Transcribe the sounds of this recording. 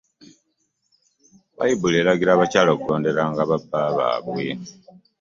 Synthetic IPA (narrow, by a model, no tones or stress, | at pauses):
βa̰jiβuleɾaɡiɾaːβacaːlokulo̞ːnde̞ɾaŋɡaβabaːβa̰ːβwḭ